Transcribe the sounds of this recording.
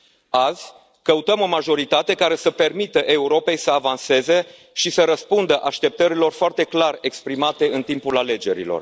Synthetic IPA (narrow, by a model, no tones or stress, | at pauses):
azʲ | kəut̪əmo̞maʒo̞ɾit̪at̪e̞kaɾe̞səpe̞rmit̪əʔe̞uɾo̞pe̞jsəavanse̞ze̞ | ʃisəɾəspund̪əʔaʃt̪e̞p̚t̪əɾilo̞rfoart̪e̞klare̞kspɾimat̪e̞ɨnt̪impulale̞d͡ʒe̞ɾḭlo̞̰r